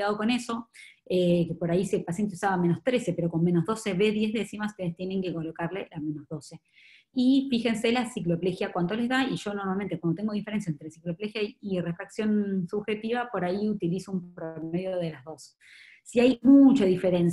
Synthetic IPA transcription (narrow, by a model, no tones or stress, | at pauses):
aðoko̞ne̞so̞ekepo̞ɾaiselpasjent̪eusaβameno̞st̪ɾe̞se̞pe̞ɾo̞ko̞nmẽ̞no̞zðo̞se̞βe̞ðje̞zðe̞simast̪enest̪je̞ne̞ŋkeko̞lo̞kaɾle̞ame̞nozðo̞se̞ | ifixe̞nse̞lasiklo̞plexjakwant̪ole̞zðaiʒ̥o̞noɾmalment̪ekwand̪ot̪eŋɡo̞ðifeɾe̞nsjaent̪ɾesiklo̞plexjaire̞fɾaksjo̞nsuβxe̞t̪iβapo̞ɾaiut̪ilisoumpɾomeðjoð̞e̞lazðo̞s | siajmut͡ʃaðife̞ɾe̞ns